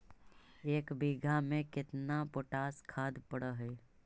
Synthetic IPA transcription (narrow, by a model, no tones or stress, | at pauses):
eːkbiɡʱamẽkɪt̪napoʈaːskʰaːd̪pəɽəɦɛː